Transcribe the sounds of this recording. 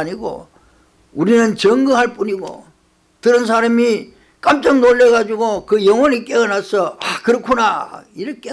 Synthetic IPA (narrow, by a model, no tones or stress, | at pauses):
ɲiɡo̰ | uɾinɯnt͡ɕʌŋɡɯɦaɭp͈uɲiɡo̰ | tɯɾɯns̬ʰaɾami | k͈amt͡ɕ͈ʌŋnoɭːeɣad͡ʑuɡokɯjʌŋwʌɲik͈ʼeʌnasʰʌakɯɾʌkʰunaiɾʌkʰe